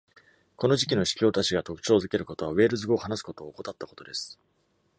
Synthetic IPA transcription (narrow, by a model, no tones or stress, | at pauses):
ko̞no̞ʑikʲino̞ɕi̥kʲo̞ːt̪at͡ɕiɡat̪o̞kɯ̟̥t͡ɕo̞ːzɨke̞ɾɯ̟ko̞t̪o̞βaβe̞ːɾɯ̟zɨɡo̞ːhanasɨ̥ko̞t̪o̞ːko̞t̪at̪ːako̞̥t̪o̞d̪e̞sɨ̥